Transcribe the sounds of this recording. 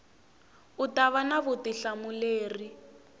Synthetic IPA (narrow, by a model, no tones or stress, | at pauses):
utaβanaβʊtiɬamʊleːri